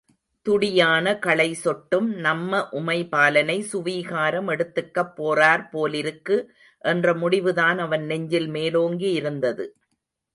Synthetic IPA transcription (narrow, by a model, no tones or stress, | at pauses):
t̪ʊɽɪjaːnɐkɐɭɐɪsɔʈːɯmnɐmːɐʔʊmɐɪpaːlɐnɐɪsʊʋiːɣaːɾɐmɛɽɯt̪ːɯkːɐpːoːraːɾpoːlɪɾɯkːɯ | ʔɛndrɐmʊɽɪʋɯðaːnɐʋɐnnɛɲd͡ʒɪlmeːloːŋɡiɪɾɯnd̪ɐðɯ